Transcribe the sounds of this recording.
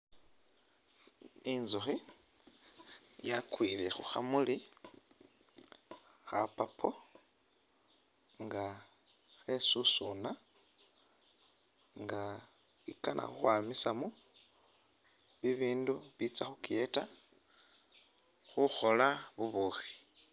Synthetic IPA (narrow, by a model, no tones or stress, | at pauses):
inzuxi | jakwiːlḛxuxa̰muli | xapapʰo | ŋɡa | xesusuna | ŋɡa | ikanʔa̰xuxwamisamu | βiβiːnduβit͡saxukjeta | xuxo̞laβuβuxi̥